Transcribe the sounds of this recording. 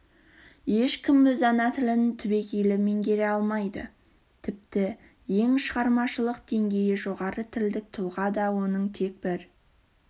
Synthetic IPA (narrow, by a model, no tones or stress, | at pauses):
je̞ʃkʲɪmbɪzɑnɑt̪ʰɪlɪnt̪ʰʏbe̞kʲejlɪme̞ŋɡʲe̞ɾe̞ɑlˠmɑjd̪ə̰ | t̪ʰɪp̚t̪ɪ | je̞ŋʃəʁɑɾmɑʃəlˠəqd̪̥e̞ŋɡʲe̞jɪʒo̞ʁɑɾət̪ʰɪld̪ɪk̚t̪ʰʊlˠʁɑd̪ɑwo̞nəɴt̪ʰe̞k̚bɪɾ